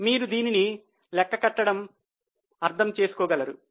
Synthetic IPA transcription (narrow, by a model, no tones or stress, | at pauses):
miːɾud̪iːnini | lɛkːɐkɐʈːɐɽɐm | ɐɾt̪ʰɐmt͡ʃe̞ːsu̥kɔːɡɐlɐɾu